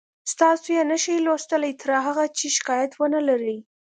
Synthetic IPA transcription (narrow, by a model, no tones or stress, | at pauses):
st̪ɑsojenəʃajlost̪əlajt̪əɾɑɦaɣat͡ʃeʃɪ̥kɑjat̪wənəlaɾi